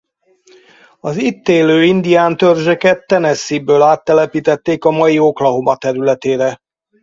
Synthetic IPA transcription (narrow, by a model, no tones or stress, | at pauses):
ɒzit̪ːeːløːind̪ijaːnt̪ørʒøkɛt̪ːɛnɛsːibøːlaːt̪ːɛlɛpiːt̪ɛt̪ːeːkɒmɒjio̞klɒɦomɒt̪ɛɾylɛt̪eːɾɛ